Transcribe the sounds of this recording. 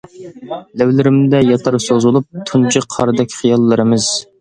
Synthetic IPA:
læwlɪɾɪmd̪ɛjɑt̪ʰɑɾsozulˠup̚t̪ʰunt͡ʃʰɨqʰɑɾɨd̪ɛkʲʰχijɑlˠːɨɾɨmɨz̥

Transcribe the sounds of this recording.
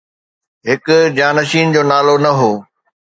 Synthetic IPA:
ɦɪkʊd͡ʑaːnɐʃiːnd͡ʑoːnaːlonɐɦoː

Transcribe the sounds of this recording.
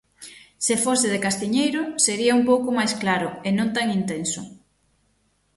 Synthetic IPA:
sɪfosɪðɪkast̪iɲejɾʊseɾiɐumpowkʊmajsklaɾʊenõnt̪aŋint̪ensʊ

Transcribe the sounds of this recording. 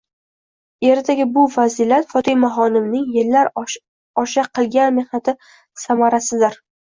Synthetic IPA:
e̞ɾt̪ʰaɡʲɪbʊfazilat̪fɒt̪ʰɪjmaɦɒnɪmnɪŋjɪlːaɾ | ɒʃaqʰɨlˠɡʲanme̞hnat̪ʰɪ | samaɾasɪd̪ɪɾ

